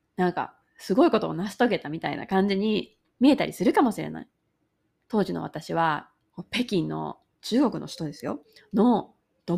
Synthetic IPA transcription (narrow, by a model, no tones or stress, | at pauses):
nãŋka̰ | sɨɡo̞iko̞t̪ooːnasɨ̥t̪o̞ɡe̞t̪amʲit̪a̰ḭna̰kãɲ̟d͡ʑiɲ̟i | mʲie̞t̪aɾʲisɨɾɯ̟kamo̞ɕiɾe̞̰na̰i | t̪o̞ːʑino̞̰βat̪aɕiβ̞a | ko̞pe̞kʲĩnːo̞̰ | t͡ɕɨːɡo̞kɯ̟no̞̰ɕi̥t̪o̞d̪e̞sɨjo̞̰ | no | d̪̥o